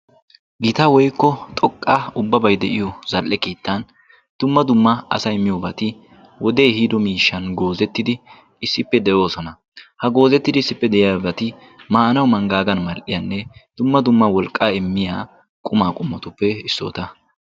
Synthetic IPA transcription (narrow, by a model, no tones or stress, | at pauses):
ɡɪt̪ɐwɔjkːɔt̪ʼɔkʼːaʊbːɐbɐjd̪ɛʔɪjɔzɐlʔːɛkeːt̪ːɐn | d̪̥ʊmːɐd̪ʊmːɐɐ̰sɐjmːɪjɔbɐt̪ɪ | wɔd̪e̞ːhiːd̪ɔmiːʃːɐnɡo̞ːzɛt̪ːɪd̪ɪ | ɪsːɪpːɛd̪ɛjo̞ːsɔnɐ | hɐɡo̞ːzɛt̪ːɪd̪ɪsːɪpːɛd̪ɛjɪjabɐt̪ɪ | maːnɐwmɐŋɡaːɡɐnmɐlʔɪjɐnːɛd̪̥ʊmːɐd̪ʊmːɐwɔlkʼːaːɪmːɪjaː | kʼʊmaːkʼʊmːɐt̪ʊpːɛɪsːo̰ːt̪ɐ